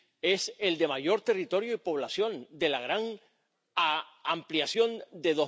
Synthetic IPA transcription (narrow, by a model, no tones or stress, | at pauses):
e̞se̞ld̪e̞maʝo̞ɾt̪e̞rit̪o̞ɾjo̞ipo̞β̞lasjo̞nd̪e̞laɣɾaŋ | ampliasjo̞nd̪e̞ðo̞